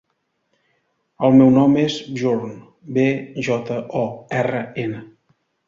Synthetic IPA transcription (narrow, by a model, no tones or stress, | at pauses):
əlˠmɛwnɔmezʒuɾn | beʒɔt̪əʔɔɛrəenə